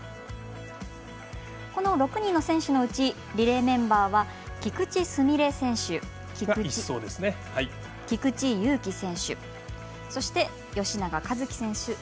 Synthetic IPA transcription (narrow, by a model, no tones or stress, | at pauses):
ko̞no̞ɾo̞kɯ̟ɲ̟ĩnːo̞sẽ̞ɰ̃ɕɨno̞ɯ̟t͡ɕi | ɾʲiɾe̞ːmẽ̞mbaːβa | ɡ̥ʲikɯ̟t͡ɕisɨmʲiɾe̞sẽ̞ɰ̃ɕɨ | iɡaɯiːoːd̪esɨne | hai | ɡ̥ʲikɯ̟t͡ɕijɯ̟ːkʲisẽ̞ɰ̃ɕɨ̰ | so̞ɕi̥t̪e̞ | jo̞ɕinaɡakazɨkʲi̥sẽ̞ɰ̃ɕɨ